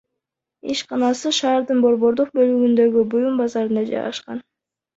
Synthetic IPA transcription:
ḭʃqɑnɑsɯʃɑːɾd̪ɯnbo̞ɾβo̞ɾd̪uq̚bø̞lyɡynd̪ø̞ɡybujumbɑzɑɾɯnd̪ɑd͡ʒɑ̰jʁɑ̰ʃqɑ̰n

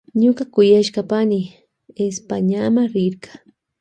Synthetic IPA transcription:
ɲoɢakʊjaʃɢɑpanɪ | espaɲamaɾɪɾkḁ

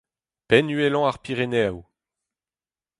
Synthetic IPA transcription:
pɛnyɛlɔ̃aʁpiʁeneaw

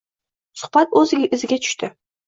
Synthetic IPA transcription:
sʊ̥χbat̪̚ɵzɪɡʲɪʔɪzɪɡʲat̪ʰʊ̥ʃt̪ɪ

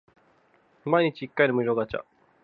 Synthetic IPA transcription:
maiɲ̟it͡ɕiikːainomɯ̟ʑʲoɡat͡ɕa̰

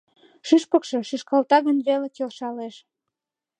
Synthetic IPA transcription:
ʃyʃpəkʃɤʃyʃkɑlt̪ɑɣənβelekelʃɑleʃ

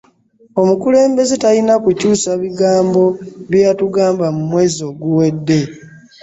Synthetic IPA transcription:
o̞mukule̞ːmbe̞ze̞talinakucuːsaβiɡaːmbo̞βjjatuɡaːmbamumwe̞ːzio̞ɡuwe̞dːe̞

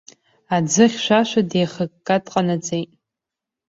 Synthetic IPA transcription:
ad͡zɨχʲʃʷaʃʷadejχəkːʼadqʼanad͡zejtʼ

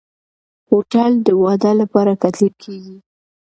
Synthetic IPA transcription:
hoʈald̪əwɑd̪alapɑɾakat̪lib̚kʰeɡi

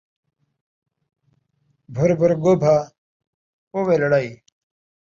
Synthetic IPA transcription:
bʱuɾbʱuɾɡobʱa | owelɐɽai

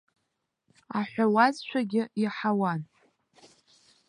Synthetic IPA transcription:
aħʷawazt͡ʃʷʰaɡʲɪiħawan

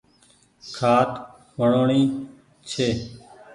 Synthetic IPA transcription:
kʰaːt̪ | ʋəɳoːɳiː | t͡ʃʰeː

